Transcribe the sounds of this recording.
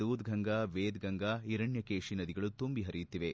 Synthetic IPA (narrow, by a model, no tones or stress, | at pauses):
uːd̪ɡʱɐŋɡaːʋeːd̪ɡʱɐŋɡaːiɾɐɳjɐkeːʂinɐd̪iɡɐɭut̪umbiɦɐɾijut̪ːiʋe